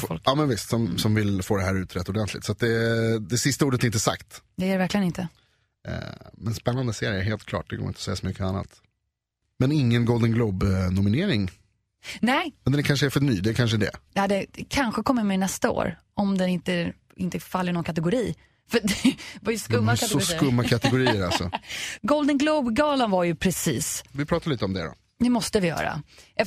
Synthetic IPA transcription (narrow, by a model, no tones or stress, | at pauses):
fɔ̰lkɑːmɛnvɪst̪sɔmsɔmvɪlfoːd̪ɛɦæːɾʉ̟ːt̪ʰɾɛt̪ːɔd̪ɛnt̪ʰlɪ̰t̪sɔat̪̚d̪ɛd̪ɛsɪst̪auːɖət̪ɛɪnt̪əsa̰kt̪d̪ɛæɾɛvæɾklɪɡənɪnt̪ə̰ | mɛnspɛnːand̪əseːɾɪəɾɦeːlt̪kʰlɑ̰ːʈ̚d̪ɛɡo̰ːɪɔsɛjasɔmʏkːəanːa̰t̪ | mɛnɪŋːənɡɔld̪ənɡlɔbnʊmɪneːɾɪŋ | nɛmɛnd̪ɛnkʰanʂəɛfœɳyːd̪ɛkʰanʂəd̪ɛ̰jɑd̪ɛkʰanɧəkʰɔmːət̪mɛnɛst̪ao̰ːɾ | ɔmd̪ɛnɪnt̪ə | ɪnt̪əfalːəɳɔnkʰat̪ɛɡʊɾiː | fœd̪vaɾjəskɵmːakʰat̪ɔʊɾskɵmːakʰat̪ɛɡʊɾiːəɾalsɔ̰ɡɔld̪ənɡloʊbɡɑːlənvaɾjɵpʰɾɛsiːsvɪpʰɾɑːt̪aɾɭiːt̪əɔmd̪ɛ̰d̪ɔ̰ | d̪ɛmɔst̪əvɪjœ̰ːɾa̰ɛ